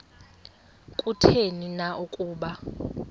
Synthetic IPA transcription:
kʼutʰeninaʔukʼuːɓa

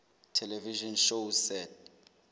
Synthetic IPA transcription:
tʰɛlɛviʒɔnʃosɛt̚ʰ

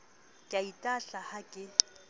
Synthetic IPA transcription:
kʼaitʼaɬahakʼɪ

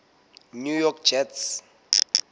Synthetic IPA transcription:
nujɔkd͡ʒɛts

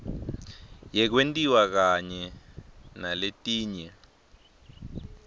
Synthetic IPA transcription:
jɛk̬wentʼiwak̬aɲɛ | naletʼiːɲɛ

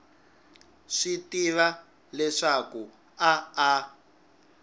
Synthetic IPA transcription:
ʂitiβa | lɛʂaku | aa

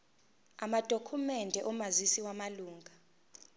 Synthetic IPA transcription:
amad̥ʱokʰumɛndʱɛʔɔmazisiwamaluːŋɡʱa

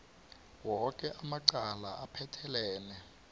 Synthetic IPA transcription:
wɔkʼɛʔamaǀalaʔapʰɛtʰɛlɛːnɛ

